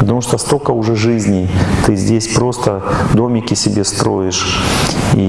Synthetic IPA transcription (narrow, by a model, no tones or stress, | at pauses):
pət̪ɐmuʂt̪ost̪okəʊʐɛʐɨzʲnʲɪt̪ɨzʲdʲesʲpɾo̞st̪əd̪o̞mʲɪkʲɪsʲɪbʲe̞st̪ɾo̞ɪʂ | ḭ